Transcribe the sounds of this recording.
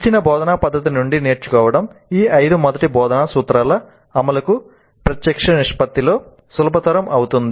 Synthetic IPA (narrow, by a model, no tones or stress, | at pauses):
it͡ʃːinɐbɔːd̪ɐnaːpɐd̪ːɐt̪̬inuɳɖine̞ːɾt͡ʃukɔːʋɐɽɐmiːɐjd̪umɐd̪ɐʈibɔːd̪ɐnaːsuːt̪ɾaːlɐː | mɐlɐku | pɾɐt̪jɐkʂɐniʂpɐt̪ːilo̞ː | sulɐpɐt̪ɐɾɐmʔɐwut̪und̪i